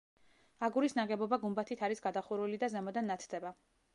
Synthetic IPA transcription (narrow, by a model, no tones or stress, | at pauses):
aɡuɾisnaɡɛbɔbaɡumbat̪ʰit̪ʰaɾisɡad̪aχuɾulid̪azɛmɔd̪anːat̪ʰd̪ɛba